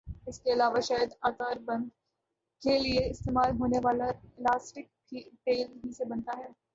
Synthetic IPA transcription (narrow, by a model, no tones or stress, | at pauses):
ɪskeɐlaːʋaʃaːjəd̪aːt̪aːɾbɐ̃nd̪ | kelieɪst̪eːmaːlɦoːneʋaːlalaːsʈɪk̚ | iʈeːlɦisebɐ̃nt̪aɦɛː